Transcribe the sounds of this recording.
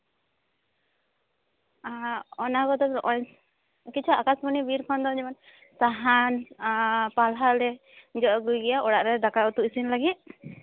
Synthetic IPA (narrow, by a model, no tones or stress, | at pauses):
aɔnakɔt̪ɔbɾʔɔɲ | kit͡ʃʰuakasbɔnibiɾpʰand̪ɔd͡ʒɛman | saɦan | palɦalɛ | d͡ʒɔʔɔɡujɡɛjaʔɔɽaʔɾɛd̪akaɔt̪uʔisinlaɡit̪̚